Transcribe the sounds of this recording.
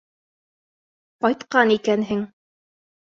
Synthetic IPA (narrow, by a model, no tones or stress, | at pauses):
qɒjt̪qɑnikænɦɘŋ